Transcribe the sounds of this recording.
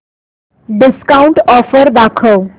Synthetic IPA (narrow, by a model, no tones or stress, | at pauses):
ɖɪskauɳʈɔfəɾʋakʰəw